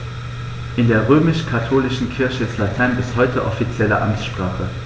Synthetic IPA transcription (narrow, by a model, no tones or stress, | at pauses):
ʔɪndeːɐʁøːmɪʃkʰatʰoːlɪʃn̩kʰɪɐçəɪslatʰaɪnbɪshɔʏtʰəʔɔfit͡sjɛlə̰ʔa̰mt͡sʃpʁ̥aːχə